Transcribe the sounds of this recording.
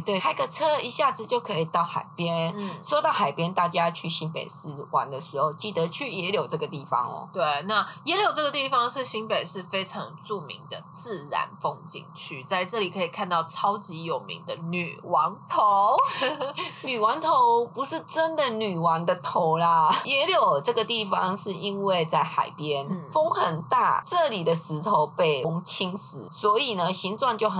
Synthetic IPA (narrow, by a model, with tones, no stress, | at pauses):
t̪we˥˩a˥˧ɡə˨ʈ͡ʂʰɤ˥i˧˥ɕja˥˩d͡zɹ̩˨˩t͡ɕjo˥˩ʊkʰɤ˧˥i˨˩t̪ɑ˥˩ʊxa̰˨˩ɪpjɛ˥n̩˥˩ʂwɔ˥t̪ɑ˥˩ʊxa˨˩ɪpjɛ˥nt̪a˥˩t͡ɕja˦t͡ɕʰy˥˩ɕi˥npḛ˨˩ɪsɹ̩˥wa̰˧˥nd̪ə˨ʂɻ̩˧˥˦xo˥˧ʊt͡ɕi˥˩d̪ə˩˦t͡ɕʰy˥˩jɛ˧˥ljo˨˩ʊʈ͡ʂɤ˥˩ɡə˩t̪i˥˩fɑ̰˦ŋɔ̰˩˦t̪we˥˩ɪna˥˩jɛ˧˥ljo˨˩ʊʈ͡ʂɤ˥˩ɡə˩t̪i˥˩fɑ˨ŋʂɻ̩˥˧ɕi˥npe˨˩ɪʂɻ̩˥˩fe˥ɪʈ͡ʂʰɑ̰˧˥ŋʈ͡ʂu˥˩mḭ˧˥ŋd̪ə˨t͡sɹ̩˥˩ɻa̰˧˥nfo˥ŋt͡ɕḭ˥˧˩ŋt͡ɕʰy˥˩t͡sa˥˧ɪʈ͡ʂɤ˥˩li˨˩kʰɤ˧˥i˨˩kʰa˥˧nt̪ɑ˥˩ʊʈ͡ʂʰɑ˥ʊt͡ɕi˧˥jo˨˩ʊmḭ˧˥ŋd̪ə˧ny̰˨˩wɑ˧˥ŋt̪ʰo˧˦ʊ | ny˨˩wɑ˧˥ŋt̪ʰo˧˥ʊpu˧˦ʂɻ̩˥˩ʈ͡ʂə˦˥nd̪ə˨ny˨˩wɑ˧˥nd̪ə˧t̪ʰo˧˥ʊla˧jɛ˧˥ljo˨˩ʊʈ͡ʂɤ˥˩ɡə˩t̪i˥˩fɑ˨˩ŋʂɻ̩˥˩i˦nwe˥˧ɪt͡sa˥˩ɪxa̰˨˩ɪpjɛ˦nfo˥ŋxə˨˩nt̪a̰˥˩ʈ͡ʂɤ˥˩li˨˩d̪ə˦ʂɻ̩˧˥t̪ʰo˨˩ʊpe˥˩ɪ˥ŋt͡ɕʰi˥nsɹ̩˨˩swɔ˧˥i˨˩nə˦ɕi˧˥nt͡swa˥˧nt͡ɕjo˥˩ʊx